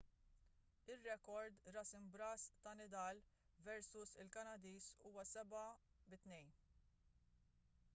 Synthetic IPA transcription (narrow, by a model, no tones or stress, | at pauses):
ɪrːɛkɔɾd̪ɾɐsɪmbɾɐst̪ɐnɪd̪ɐːl | vɛɾsʊsɪlkɐnɐd̪iːsuːwɐsɛbɐ | bɪt̪nɛjn